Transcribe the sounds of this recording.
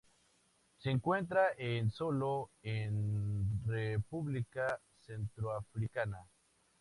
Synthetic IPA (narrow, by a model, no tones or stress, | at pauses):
seŋkwẽ̞nt̪̬ɾaʔensoloenrepuβlika | sent̪ɾoafɾikana